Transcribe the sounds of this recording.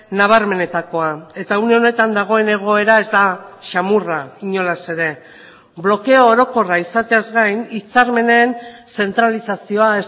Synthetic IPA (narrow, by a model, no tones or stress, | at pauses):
naβ̞aɾme̞ne̞t̪ako̞ae̞t̪auneo̞ne̞t̪and̪aɣ̞o̞e̞ne̞ɣ̞o̞e̞ɾae̞zd̪aʃamuraiɲo̞lase̞ɾe̞ | blo̞ke̞o̞ːɾo̞ko̞raisat̪e̞azɡajnit͡saɾme̞ne̞nse̞nt̪ɾalisasio̞aes